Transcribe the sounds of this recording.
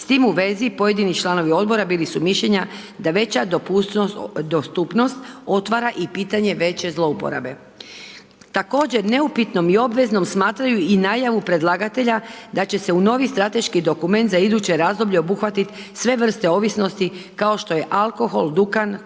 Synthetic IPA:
st̪iːmuʋe̞zipo̞je̞d̪init͡ʃlˠano̞ʋio̞d̪̚bo̞ɾabiːlisumiʃʎe̞ɲa | d̪aʋe̞t͡ɕad̪p | d̪ost̪upno̞st̪o̞t̪ʋaɾaʔipiːt̪aɲe̞ʋe̞t͡ɕe̞zlˠo̞upo̰ɾa̰be̞ | t̪ako̞ːd͡ʑe̞ɾne̞upit̪no̞mio̞bʋe̞zno̞msmaːt̪ɾajuinaːjaʋupɾe̞d̪lˠaːɡat̪e̞ʎad̪at͡ɕe̞se̞uno̞ːʋist̪ɾat̪e̞ʃkid̪o̞kume̞nt̪zaid̪ut͡ɕe̞ɾaːzd̪o̞bʎe̞o̞buxʋat̪it̪ | sʋe̞ʋr̩st̪e̞o̞ʋisno̞st̪ikao̞ʃt̪o̞je̞ʔalˠko̞xo̞ld̪ukan

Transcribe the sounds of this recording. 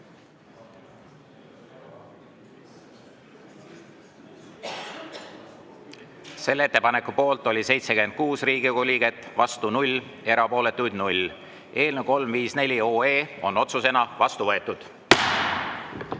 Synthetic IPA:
se̞lːe̞t̪ːepɑne̞kːˑupo̞ːlt̪ˑo̞lʲise̞jt̪sekymend̪̚kuːsriːɡ̥ikolʲiɡ̥e̞t̪ːˑvɑst̪unulʲe̞ɾɑpo̞ːle̞t̪ːˑujd̪nulʲ | e̞ːlneko̞lmviːsne̞lʲio̞ːe̞ːo̞no̞t̪suse̞nɑvɑst̪uvɤe̞t̪ːˑud̪̥

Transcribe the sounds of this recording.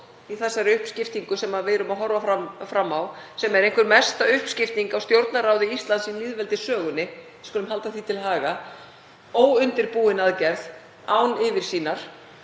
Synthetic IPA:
iθɛsːaɾɪʏhpscɪft̪iŋkʏsɛmaðveːɾʏmaðɦɔɾvafamfɾamːawsɛmɛɾejŋ̥kʏɾmɛst̪aʏhpscɪft̪niŋkawst̪jowɾt̪naraːwðɪist̪lansinliːðvɛlt̪ɪsœːɣʏnːɪ | skɔːlʏmɦalt̪aθit̪ʰɪlɦaːɣa | owʏnt̪ɪɾpuːɪnaðcɛɾð | aːwnɪvɪɾ̥siːnaɾ̥

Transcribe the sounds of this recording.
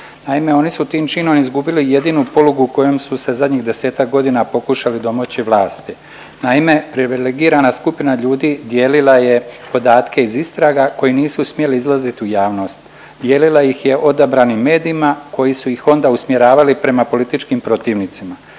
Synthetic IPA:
naime̞o̞nisut̪iːmt͡ʃiːno̞mizɡubilije̞d̪iːnupo̞luɡuuko̞jo̞msuse̞zad̪ɲiɣd̪e̞se̞ːt̪ak̚ɡo̞d̪inapo̞kuʃalid̪o̞mot͡ɕiʋlˠaːst̪i | naime̞pɾiʋileɡiːɾanaskupinaʎuːd̪iːd̪je̞ːlilaje̞po̞d̪aːt̪kʰe̞izist̪ɾaɡako̞jiniːsusmje̞liizlˠazit̪iujaːʋno̞ːst̪ | d̪je̞ːlilˠajixje̞ʔo̞d̪abɾaːnimːe̞ːd̪iːmako̞jisujixo̞nd̪ausmje̞ɾaːʋalipɾe̞mapo̞lit̪it͡ʃkimpɾo̞t̪iːʋnit̪sima

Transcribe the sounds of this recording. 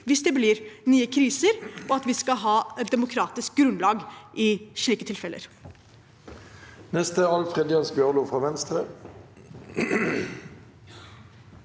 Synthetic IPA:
ʋɪsd̪ɛblɪɾnyːəkʰɾiːsəɾɔɑt̪ʋɪskɑɦɑːɛt̪̚d̪ɛmʊkʰɾɑːt̪ɪsk̚ɡɾʉnlɑːɡʔɪʂɭiːkət̪ʰɪlfɛlə̰ɾ | nɛst̪əɑlfʁɛd̪ɪɑnsbjœʁluːfʁɑːʋɛnst̪ʁə

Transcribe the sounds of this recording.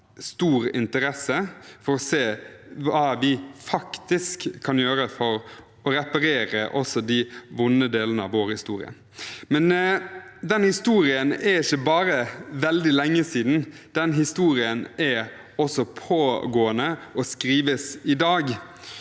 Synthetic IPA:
st̪uːɾɪ̰nt̪əɾɛsːəfɔɾɔseːʋɑːʋɪfɑkt̪ɪskʰːɑnjøːɾəfɔɾ | ɔɾɛpɑɾeːɾəʔɔsɔd̪ɪʋʊnːəd̪eːlənəɑ̰ʋʋoːɾhɪst̪ṵːɾɪ̰ə̰ | mɛn | d̪ɛnhɪst̪uːɾɪənɛɪçːəbɑːɾəʋɛld̪ɪlɛŋːəsiːd̪n̩ | d̪̥ɛnɦɪst̪uːɾɪənæ | ɔsɔpʰoːɡoːənəɔskɾiːʋəsɪd̪ɑːɡ

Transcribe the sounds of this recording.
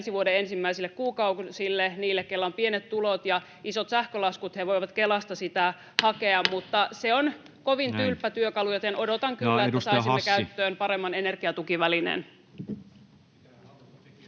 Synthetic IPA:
nsiʋuodeensimːæisilːekkuːkɑusilːeniːlːekkelːæompie̞net̪t̪ulot̪jɑ | iso̞t̪sæhkølɑskut̪heʋo̞jʋɑt̪kelɑst̪ɑsit̪æ | hɑke̞ɑmmut̪ːɑseon | ko̞ʋint̪ylpːæt̪yøkɑlujot̪enʔo̞dot̪ɑŋkylːæetːæssɑisiːeskæyt̪ːøːnpɑɾe̞mːɑnene̞rɡ̥iɑt̪ukiʋælinḛn

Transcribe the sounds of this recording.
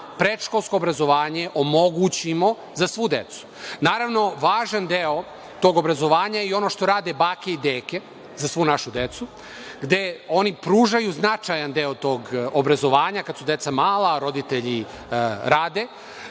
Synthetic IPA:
pɾeʃko̞lˠsko̞ːbɾazo̞ʋaːɲe̞ʔomo̞ɡut͡ɕimo̞ | zasʋud̪e̞t̪su̥naːɾaʋno̞ʋaːʒand̪eo | t̪o̞ːɡo̞bɾazo̞ʋaːɲaio̞noʃt̪o̞ɾaːd̪e̞baːke̞id̪eːke̞ | zasʋunaʃud̪e̞t̪su | ɡd̪e̞o̞nipɾuːʒajuznat͡ʃajand̪eːot̪o̞ːɡobɾazo̞ʋaːɲakad̪sud̪e̞t̪samaːlaɾo̞d̪it̪e̞ʎi | ɾaːd̪e̞

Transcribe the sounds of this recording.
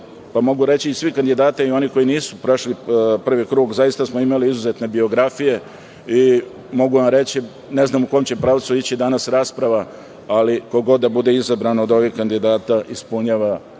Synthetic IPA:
pamo̞ɡuɾe̞t͡ɕiːsʋikand̪id̪aːt̪aio̞niko̞jiniːsupɾo̞ʃlipr̩ʋikɾuːɡzajist̪asmoimaliizuze̞t̪ne̞bio̞ɡɾafije̞ | i | mo̞ɡuʋamɾe̞t͡ɕi | ne̞znaːmuko̞jmt͡ɕe̞pɾaːʋt̪suit͡ɕid̪anasɾaːspɾaʋa | alikoɡo̞d̪ːabud̪e̞izabɾanod̪o̞ʋihkand̪id̪aːt̪aʔispuɲaːʋa

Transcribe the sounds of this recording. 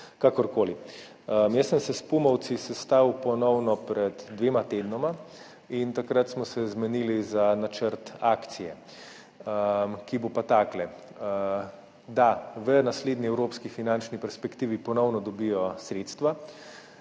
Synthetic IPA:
kakɔɾkoːli | əmjəssəmsɛspumɔwt̪sisɛst̪awpɔnɔwnɔpɾɛd̪d̪ʋeːmat̪eːd̪nɔma | int̪akɾat̪smɔsɛzmɛnilizanat͡ʃəɾt̪aːkt̪sijɛ | əmkibopat̪aːklɛ | d̪aʋənasleːd̪niɛwɾoːpskifinant͡ʃnipɛɾspɛkt̪iːʋipɔnɔwnɔd̪ɔbijɔsɾeːt̪st̪ʋa

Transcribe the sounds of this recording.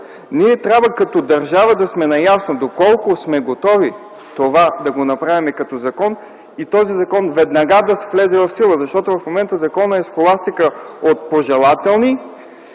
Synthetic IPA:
niɛt̪ɾʲabvəkɐt̪ɔd̪ɐɾʒavəd̪ɐsmɛnɐjasnod̪okɔlˠkʊsmɛɡot̪ɔvi | t̪ovad̪ɐɡonɐpɾavimɛkɐt̪ɔzɐkɔn | it̪ɔzizɐkɔnvɛd̪nɐɡad̪ɐsɛ̥flɛzɛvɐfsilˠəzɐʃt̪ɔt̪ʊvɐfmomɛnt̪əzɐkɔnəɛskolˠast̪ikəot̪̚poʒɛlˠat̪ɛlˠni

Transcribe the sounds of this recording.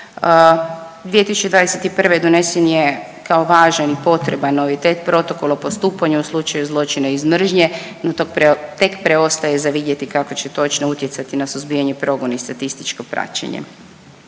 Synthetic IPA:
d̪ʋiːet̪isu̥t͡ʃed̪ʋad̪eset̪ipr̩ʋed̪o̞ne̞senje | kao̞ʋaːʒanipo̞t̪ɾe̞banːo̞ʋit̪e̞t̪̚pɾo̞t̪o̞ko̞lapost̪uːpaɲauslˠut͡ʃajuzlˠo̞t͡ʃinaizmr̩ʒɲe̞not̪okpet̪e̞kpɾeo̞st̪aje̞zaʋid̪je̞t̪ikako̞t͡ɕet̪o̞t͡ʃnout̪je̞t̪sat̪inasuzbijaɲepɾo̞ɡo̞naist̪at̪ist̪i̥t͡ʃko̞pɾa̰t͡ɕḛɲḛ

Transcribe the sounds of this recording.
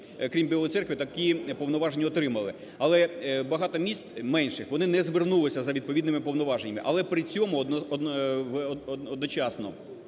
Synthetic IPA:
kɾʲimbʲilˠɔjt̪sɛrkʋɪt̪ɐkipɔʋnɔʋɑʒenʲːiɔt̪ɾɪmɐlˠɪ | ɐlˠɛbɐɦɑt̪ɔmʲist̪mɛnʃɪxʋɔnɪnɛzʋernulˠɪsʲɐzɐʋʲid̪̚pɔʋʲid̪nɪmɪpɔʋnɔʋɑʒenʲːɐmɪʔɐ̰lˠɛpɾɪt͡sʲɔmʊd̪ɔd̪ʋdɔd̪nɔt͡ʃɑsnɔ̰

